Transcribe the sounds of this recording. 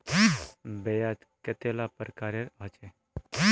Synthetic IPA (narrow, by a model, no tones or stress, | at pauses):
bejat̪ | ket̪elapəɾkaɾeɾat͡ʃe